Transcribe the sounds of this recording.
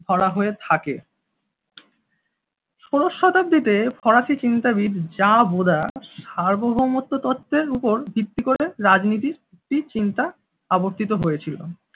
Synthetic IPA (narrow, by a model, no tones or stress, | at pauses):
d̪ʱɔɽaɦoet̪ʰake | ʃoɾoʃːɔt̪ab̚d̪it̪efʰɔɾaʃit͡ɕint̪abid̪d͡ʑabod̪ʱaʃaɾbobʱomot̪ːot̪ot̪ʰːeɾupoɾbʱit̪ːikoɾeɾad͡ʑnit̪̬iɾek̚ʈit͡ɕint̪a | aboɾt̪ʰit̪oɦojet͡ɕʰilo̰